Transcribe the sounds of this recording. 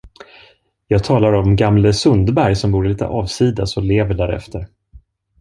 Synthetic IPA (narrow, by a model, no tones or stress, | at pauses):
jɑːɡ̚t̪ʰɑːlaɾɔmɡamləsɵnd̪bæɾjsɔmbuːɾliːt̪ʰə̰ʔɑːvsiːd̪asɔleːvəɖæɾɛ̰ft̪ʰəɾ